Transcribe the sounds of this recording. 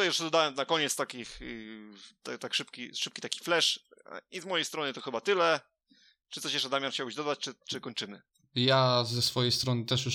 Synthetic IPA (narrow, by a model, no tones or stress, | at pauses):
jɛʂɛd̪ɔd̪awɛmnakɔɲɛt̪st̪akʲix | t̪at̪akʂɘpkʲiʂɘp̚kʲit̪akʲi̥flɛʂizmɔjejst̪ɾɔnɨt̪ɔxɘbat̪ɘlɛ | t͡ʂɨt̪sɔɕjɛʂt͡ʂɛd̪amjanxt͡ɕawbɕʲd̪ɔd̪at͡ɕt͡ʂɘt͡ʂɘkɔɲt͡ʂɘmɘ | jazɛsfɔjejst̪ɾɔnɘt̪ɛʂju